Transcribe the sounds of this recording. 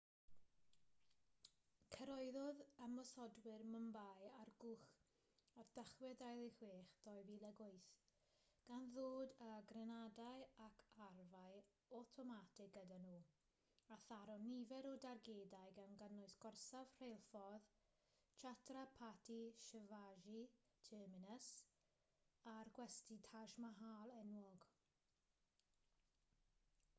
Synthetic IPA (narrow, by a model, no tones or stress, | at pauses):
kʰəɾɔɨðɔðəmɔsɔdwɪrməmbajarɡʊχ | ard̥əχwɛdajlˠiχweːχdɔjvilˠɛɡʊɨθ | ɡ̥anðoːdəɡrɛnadajakʰarvaɨ | ɔtʰɔmatʰɪɡ̚ɡədanuː | aθaɾɔnivɛɾɔdarɡeːdajɡanɡənʊɨsɡ̥ɔrsav̥r̥ejlˠfɔð | t͡ʃʰatʰrapʰatʰiʃəvaʒi | tʰəːmɪnəs | arɡ̥wɛstitʰaʒmaɦaːlˠɛnwɔɡ